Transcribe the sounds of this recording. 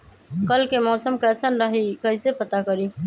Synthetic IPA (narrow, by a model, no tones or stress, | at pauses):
kəlkemɔsəmkəsənɾəɦikəɦisepət̪akəɾi